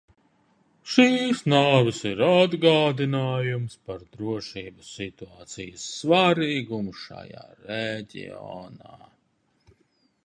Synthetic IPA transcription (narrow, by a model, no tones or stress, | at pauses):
ʃiːsnaːvisiɾad̪ɡaːd̪inaːjumspaɾd̪ɾuɔʃiːbəsːit̪uaːt̪sijəsːvaɾiːɡumuʃa̰ja̰ːɾɛɟʲḭɔ̰naː